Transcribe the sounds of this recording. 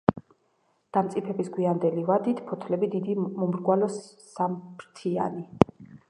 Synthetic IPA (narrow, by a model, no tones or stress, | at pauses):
d̪̥amt̪sʼipʰɛbisɡwiand̪ɛlivad̪it̪ʰpʰɔt̪ʰlɛbid̪id̪imumɾɡwalɔsː | ampʰɾt̪ʰia̰ni